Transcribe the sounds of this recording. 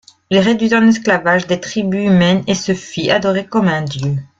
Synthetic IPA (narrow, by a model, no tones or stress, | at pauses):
ilʁed̪ɥit̪ɛ̃nɛsklavaʒd̪et̪χibyymɛnesəfiad̪ɔʁekɔmɛ̃d̪jø